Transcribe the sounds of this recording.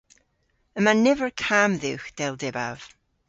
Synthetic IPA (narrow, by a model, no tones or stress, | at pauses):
əmanɛvəɹkʰamðɪwxd̥ɛlˠdɛba̰v̥